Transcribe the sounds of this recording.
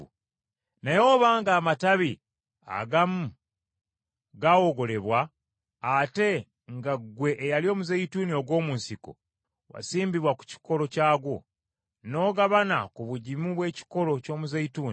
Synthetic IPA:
najo̞ːβaːŋɡaːmataβi | a̰ɡamu | ɡawoɡo̞le̞βwaː | te̞ | ŋɡaɡwe̞ʔːjalio̞ːmuzeituːnio̞ɡwo̞ːmunsiko̰ | wa̰siːmbiβwaku̥ci̥ko̞lo̞caːɡwo̞̰ | no̞ːɡaβana̰kuβuɟimuβwe̞ːci̥ko̞lo̞co̞ːmuzejituːn

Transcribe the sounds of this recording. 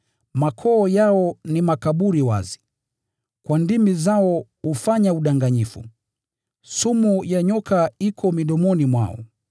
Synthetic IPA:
makʰɔːjaɔnimakaɓuɾiwa̰zi̥ | kwandimizaɔhufaɲauɗaŋɡaɲifṵ | sumujaɲɔkaikʰɔmiɗɔmɔnimwa̰ɔ̰

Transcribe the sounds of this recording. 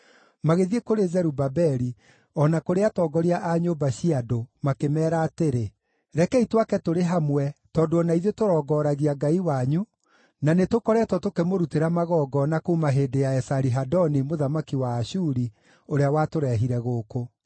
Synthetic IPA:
maɣeðiekoɾezɛɾubabɛɾi | ɔnakoɾeatɔːɡɔɾiaʔaɲobaɕiadomakemɛːɾaːteɾe | ɾɛkɛitwakɛtoɾeɦamwɛtɔːdoɔnaiðotoɾɔːɡɔːɾaɣiaɡaiwaɲu | nanetokɔɾɛtɔtokemoɾuteɾamaɣɔɡɔnakomaɦeːdejaɛsaɾiɦadɔnimoðamakiwaːɕuɾi | oɾeawatoɾɛɦiɾɛɣoːko

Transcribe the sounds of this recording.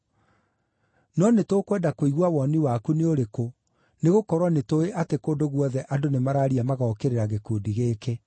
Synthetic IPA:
nɔnetokwɛːdakoiɣwawɔniwakuneoɾeko | neɣokɔɾwanetoeʔatekoːndoɣwɔðɛʔadonemaɾaːɾiamaɣɔːkeɾeɾaɣekoːdiɣeːke

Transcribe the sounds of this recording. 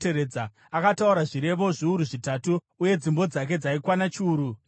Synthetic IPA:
eɾeːd͡za | akatauɾaʐiɾe̞ʋo̞ʐiuɾuʐitatuː | je̞d͡zimbo̞d͡zak̬e̞d͡zaikwanat͡ʃuːɾu

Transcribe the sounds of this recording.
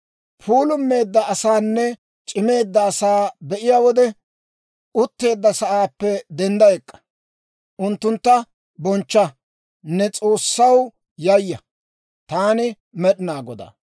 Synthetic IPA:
pʰuːlʊmːe̞ːd̪ːɐʔɐsaːnːɛ | t͡ʃʼɪme̞ːd̪ːɐːsaːbɛʔɪjaːwɔd̪ɛ | ʊt̪ːe̞ːd̪ːɐsɐʔaːpːɛd̪ɛnd̪ɐjɛkʼːɐ̥ | ʔʊnt̪ːʊnt̪ːɐ | bɔnt͡ʃːɐ | nːɛt͡sʼo̞ːsːɐw | jɐjːɐ | t̪aːnɪ | mɛɗɪnaːɡɔd̪ɐ̰

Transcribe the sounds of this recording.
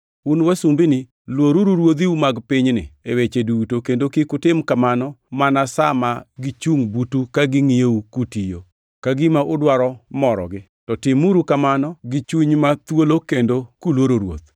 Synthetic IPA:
unwasumbinɪ | lwoɾuɾuɾwot̪iumaɡpɪɲnɪ̰ewet͡ʃedutokendokɪkʊtɪmkamanɔmanasamaɡit͡ʃuŋbutukaɡɪŋijeukutijo | kaɡɪmaʔʊdwaɾɔmɔɾɔ̰ɡɪ | tɔtɪmuɾukamanɔɡɪt͡ʃuɲmat̪wolokendokulwoɾoɾwo̰t̪

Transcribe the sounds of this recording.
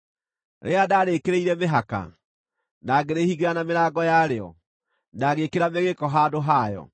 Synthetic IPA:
ɾḛadaːɾeːkeɾeiɾɛmeɦaka̰ | naːɡeɾehiɣanameɾaːɡɔjaɾeɔ̰ | naːɣekeɾameɣekɔɦadoɦaːjɔ̰

